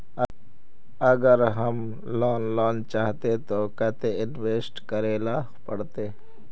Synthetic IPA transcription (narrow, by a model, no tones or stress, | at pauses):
ɐɡəɾɦɐm | lɔːnlɔːnt͡ʃaːɦt̪et̪okɐt̪eɪnweːsʈkɐɾeːlaː | pɐɽt̪eː